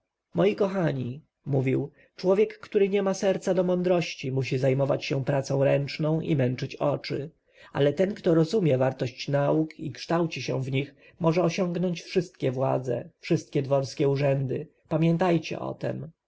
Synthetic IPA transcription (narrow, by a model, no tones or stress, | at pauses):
mɔjikɔxaɲi | muvʲiw | t͡ʂwɔvʲjɛkːt̪uɾɘɲɛmasɛɾt̪sad̪ɔmɔnd̪ɾɔɕt͡ɕimuɕizajmɔvat͡ɕɕɛpɾat̪sɔ̃w̃ɾɛnt͡ʂnɔ̃w̃ʔḭmɛnt͡ʂɘt͡ɕɔt͡ʂɘ | a̰lɛt̪ɛnkt̪ɔɾɔzumʲjɛvaɾt̪ɔɕt͡ɕnaukikʂt̪awt͡ɕiɕɛ̃vɲix | mɔʐɛɔɕɔŋɡnɔɲt͡ɕfʂɘst̪̚kʲɛvwa̰d̪zɛ̰fʂɘst̪̚kʲɛd̪vɔɾskʲɛuʐɛnd̪ɘ | pamʲjɛnt̪ajt͡ɕɛ̰ʔɔ̰t̪ɛ̰m